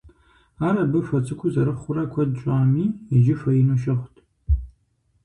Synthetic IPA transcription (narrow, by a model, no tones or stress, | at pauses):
aːɾɐbɨfɐt͡sʼɨkʷʰʊzɐɾɨχʷʊrɐkʷʰɐdt͡ʃʼaːmiːɪʒɪfɐinuʃ̬ɐχʷtʰʼ